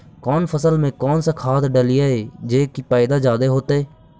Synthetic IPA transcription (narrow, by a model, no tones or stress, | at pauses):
kɔːnpʰəsəlmẽːkɔːnsakʰaːt̪ɖəlɪjaːeːd͡ʒeːkipaːɪd̪aːd͡ʒaːd̪eːɦoːt̪eː